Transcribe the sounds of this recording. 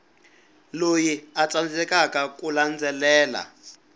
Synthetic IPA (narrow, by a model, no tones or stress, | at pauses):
lojiat͡sand͡zɛkakakuland͡zɛlɛːla̰